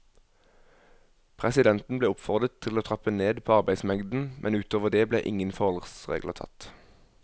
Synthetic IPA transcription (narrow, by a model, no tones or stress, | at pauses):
pʰʁɛsɪd̪ɛnt̪n̩bleːʊpfɔʁd̪ʁət̪ʰɪloːt̪ʰʁɑpəneːd̪pʰoːɑʁbæɪsmɛŋd̪n̩mʔɛnʉːt̪oːʋəʁd̪eːblḛːʔɪŋənfɔʁɔlʁsʁḛːɡlət̪ʰɑ̰t̪